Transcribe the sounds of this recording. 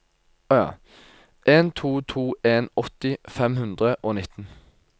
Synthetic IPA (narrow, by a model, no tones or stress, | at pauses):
ojɑ̰ː | ʔeːnt̪ʰuːt̪ʰuːeːnɔt̪ɪfɛmhʉnd̪ʁəʔoːnɪt̪n̩